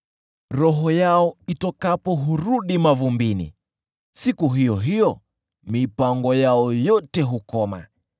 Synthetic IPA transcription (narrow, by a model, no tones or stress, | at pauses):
ɾɔɦɔjaɔitɔkapɔɦuɾuɗimavumbinḭ | sikuɦijɔɦijɔ | mipaŋɡɔjaɔjɔtɛɦukɔma̰